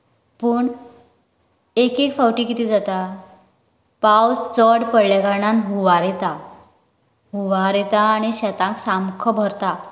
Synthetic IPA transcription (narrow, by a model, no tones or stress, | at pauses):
pəːɳ | ekekfawʈiːkit̪iːd͡zat̪a | pawt͡st͡səɽpəɽlaɡaɾɳanɦuʋaɾet̪a | ɦuʋaɾet̪aːɽ̃iɕɛt̪ãŋksamkʰəbʱəɾt̪a